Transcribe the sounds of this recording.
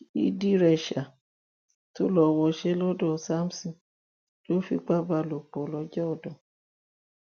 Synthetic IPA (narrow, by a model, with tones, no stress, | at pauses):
ḭ˦di˦ɾɛ˧˨ʃa˨ | to˦lɔ˧wɔ˧˦ʃɛ˦lɔ˦dɔ̃˦˨sa˦m̩˨sɔ̃˨ | lo˦fi˧ɡ͡ba˦ba˧lo˨k͡pɔ˨˦lɔ˧˦d͡ʒɔ˦ɔ˦˨dɔ̃˨